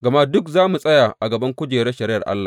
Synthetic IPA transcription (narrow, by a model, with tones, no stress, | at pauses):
ɡɐ˨ma˦dʊ˦kzaː˦mu˨sʼɐ˦jaː˨ʔa˨ɡɐ˨bɐ˦ŋkʷʊ˦d͡ʒeː˨ɾe˦ʃɐ˨ɾɪ˦jɐ̰˨rʔa̰˦lːaː˨